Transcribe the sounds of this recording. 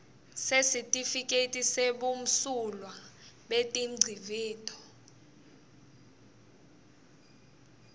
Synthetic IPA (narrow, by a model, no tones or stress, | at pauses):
sesitʼifikʼetʼiseɓum̩sulwaɓetʼiŋ͡ǀʱiviːtʰʼɔ̥